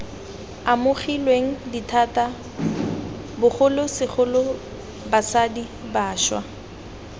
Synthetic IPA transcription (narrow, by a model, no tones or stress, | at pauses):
amʊχilweŋ̩ditʰata | bʊχʊlʊsɪχʊlʊ | basadibaːʃwa